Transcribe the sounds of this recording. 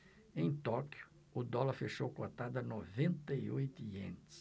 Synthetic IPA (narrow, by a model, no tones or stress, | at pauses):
ẽj̃t̪ɔkjʊ̥ | ʊd̪ɔlɐɾfeʃowkõɐt̪ad̪ɐnovẽnt̪ɐiojt̪ʊiḛ̃nt̪ɪ̥s